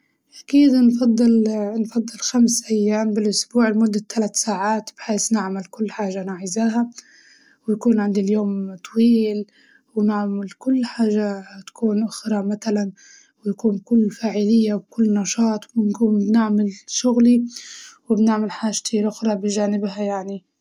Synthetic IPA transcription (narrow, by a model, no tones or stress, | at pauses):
ʔakiːd̪nfɑd̪ˤːɨlnfɑd̪ˤːɨlxamsʔajːaːmbɪlʔʊsbuːʕɪlmʊd̪ːat̪ʰːalat̪saːʕaːt̪b̥ħeːsnɪʕmalkʊlːħaːʒanaːʕɪzaːɦa | wjakuːnʕɪnd̪iljoːmt̪ˤwiːl | wnaʕmalkʊlːħaːʒːat̪ḁkuːnʔʊxɾˤɑmat̪alan | wɪjakuːnbkʊlːfaːʕɪlɪjːawkʊlːnɑʃɑːt̪ˤwɪnkuːmbnɪʕmalʃʊɣliwɪbnɪʕmalħaːʒt̪ʰilʔʊxɾˤɑbɪʒaːnɪbhajaʕni